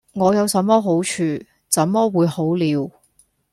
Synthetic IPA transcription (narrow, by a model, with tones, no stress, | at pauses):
ŋɔː˨˧jɐ˨˧wsɐ˨˥mːɔː˥ɦo˨˥wt͡ʃʰyː˨˧ | t͡sɐ˨˥mːɔː˥wuː˨˧jho˨˥wliː˨˧w